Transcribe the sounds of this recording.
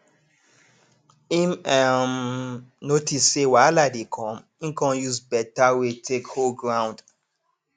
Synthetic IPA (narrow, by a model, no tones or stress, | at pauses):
ĩmɛmnotʰisːewaladekʰɔ̃m | ĩnkɔ̃njuzbɛtawetʰekholɡɹãw̃nd